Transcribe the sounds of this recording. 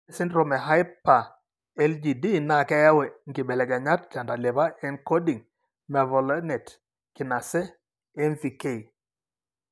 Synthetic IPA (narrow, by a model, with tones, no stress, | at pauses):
sɪ˦nɾo˦˨mɛ˨ɦa˦jpːa˨ | ɛ˦ld͡ʒi˨di˦na˨kɛ˦ja˦wɛ˨ŋ̩ɡɪ˨ɓɛ˨lɛ˨ɡɛ˨ɲa˦t̚t͡ʃa˨nda˨le˨ba˦ɛ˦nko˦di˨ŋ | mɛ˨vɔ˨lɛ˦nɛ˨t | kɪ˨na˨sɛ˦ | ɛ˦nvi˨ke˦˨